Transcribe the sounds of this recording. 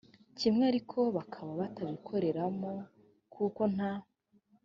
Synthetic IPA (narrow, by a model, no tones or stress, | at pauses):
cimŋeaɾikʰo̞βakʰaβaβataβikʰo̞ɾe̞ɾamo | kʰuko̞n̥a